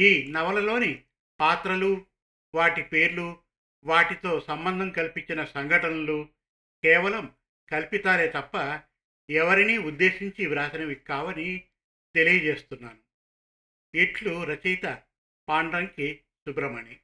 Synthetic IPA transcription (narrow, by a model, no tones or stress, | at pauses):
iːnɐʋɐlɐlo̞ːni | paːt̪ɾɐlu | ʋaːʈipe̞ːɾlu | ʋaːʈit̪o̞ːsɐmbɐnd̪ʱɐmkɐlpiɲt͡ʃinɐsɐŋɡʱɐʈɐnɐlu | kɛːʋɐlɐm | kɐlpit̪aːleːt̪ɐpːɐ | ɛʋɐɾiniːud̪ːe̞ːʃiɲt͡ʃiʋɾaːsɐnɐʋikːaːʋɐni | t̪e̞lijɐd͡ʒe̞ːst̪unːaːnu | iːʈluɾɐt͡ʃɛjt̪ɐ | paːɳɖɾɐŋki | subɾɐmɐni